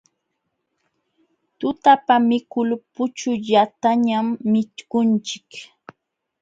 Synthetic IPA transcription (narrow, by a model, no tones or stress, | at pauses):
t̪ʊt̪apamɪkʊlpʊt͡ʃʊʎat̪aɲamːɪt͡ʃ̪kʊnt͡ʃɪ̥k